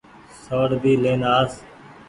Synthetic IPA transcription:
soːɽd̪iːleːnaːs

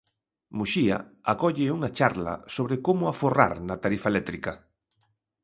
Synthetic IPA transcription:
muʃiɐ̰ | akɔʎɪuŋɐt͡ʃaɾlɐ̰soβɾɪkomʊafora̰ɾnɐt̪aɾifaelɛt̪ɾikɐ

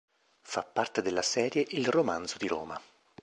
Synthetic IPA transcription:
fapːart̪ed̪elːasɛːɾjeʔilromanzod̪iɾo̰ːma

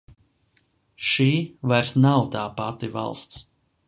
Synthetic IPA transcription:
ʃiːvajɾsnawt̪aːpat̪iva̰lˠst̪s

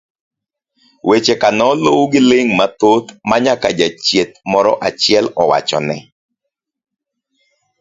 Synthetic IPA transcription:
wʔet͡ʃekanɔlowɡɪlɪŋmat̪ot̪maɲakad͡ʒat͡ʃjet̪̚mɔɾɔʔat͡ʃɪɛlɔwa̰t͡ʃɔ̰nɛ

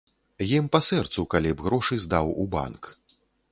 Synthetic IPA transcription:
jimpasɛrt̪sukalʲibɣɾɔʂɨzd̪awuba̰nk

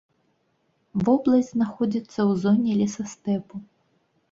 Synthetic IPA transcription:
vɔblˠɐzʲznaxɔd͡zʲit̪sːɐwzɔnʲɛlʲɛsɐst̪ɛpu

